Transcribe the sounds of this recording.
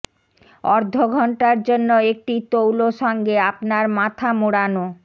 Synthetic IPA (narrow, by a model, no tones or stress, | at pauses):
ɔɾd̪ʱoɡʱɔɳʈaɾd͡ʑonːoek̚ʈit̪owloʃɔŋɡeapnaɾmat̪ʰamuɽano